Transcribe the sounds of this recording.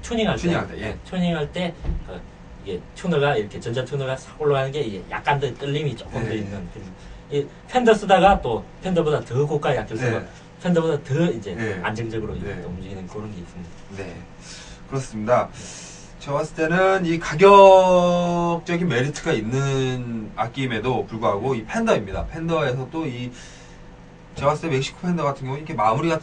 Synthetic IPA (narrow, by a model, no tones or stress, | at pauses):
t͡ɕʰuɲiŋɦaɭtʰetejt͡ɕʰuɲiŋɦaɭt͈e̞kɯ̰ | iɡe̞t͡ɕʰonɯɭɡaiɾʌkʰe̞t͡ɕʌnd͡ʑat͡ɕʰounɯɭɡasʰakoɭːoɡanɯnɡe̞iɡeja̰k̚k͈andɯt͈ɯʎːimit͡ɕ͈ok͈ɯmddoinːɯnkɯɾesoi | pʰendʌs͈udaɡat͈opʰe̞ndʌbodatɯkok͈aijak͈jʌɭs͈ɯmʌ | pʰendʌbodatɯid͡ʑe̞a̰nd͡ʑɯŋd͡ʑʌɡɯɾo̰ḭɡʰedomd͡ʑɯɡinɯnkɯɾʌnɡe̞is͈ɯmɲidane̞̰ | kɯɾʌs͈ɯmɲida | t͡ɕewas͈ɯ̥t͈ʰe̞nɯnikaɡjʌ | k̚t͡ɕ͈ʌɡinme̞ɾitʰɯɡainːɯnak͈ime̞dopuɭɡuɦaɡoipʰe̞ndʌimɲida̰pʰe̞ndʌe̞sʰʌt͈oi | t͡ɕewas͈ʰɯ̥t͈ʰeme̞k̚ɕ͈ʰi̥kʰo̥pʰe̞ndʌɡatʰɯŋjʌŋiɾʌkʰemamuɾiɡatʰ